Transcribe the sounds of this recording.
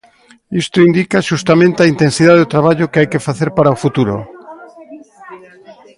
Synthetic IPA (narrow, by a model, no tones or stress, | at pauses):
ist̪oind̪ikaʃust̪amẽnt̪eaint̪ensiðaðeot̪ɾaβ̞aʎokeajkefaθeɾpaɾaofut̪uɾo̰